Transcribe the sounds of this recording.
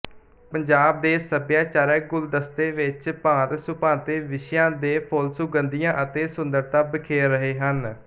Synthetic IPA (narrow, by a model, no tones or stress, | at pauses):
pəɲd͡ʒaːb̚d̪eːsəbjaːt͡ʃaːɾɛːɡʊld̪əst̪eːʋɪt͡ʃpãːt̪sʊpãːt̪eːʋɪʃjãːd̪eːpʰoːlsʊɡənd̪ijãːʔət̪eːsʊnd̪əɾt̪ãːbɪkʰeːəɦeːɦən